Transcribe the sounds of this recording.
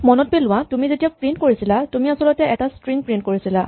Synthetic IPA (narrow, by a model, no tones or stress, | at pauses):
mɔnɔt̚belʊ̃wãtumizetijapɹintkoɹisilatumiasɔlɔtɛʔɛtastɹiŋpɹint̚koɹisila